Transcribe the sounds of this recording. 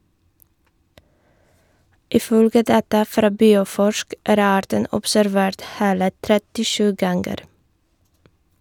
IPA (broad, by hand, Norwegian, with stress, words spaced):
ɪˈfœlɡə ˈdɑːtɑ ˈfɾɑː ˈbiːʊˌfɔʃk ˈʔæːɾ ˈɑːɾtən ɔpsæɾˈʋeːɾt ˈheːlə tɾɛtɪˈʃʉː ˈɡɑŋɡəɾ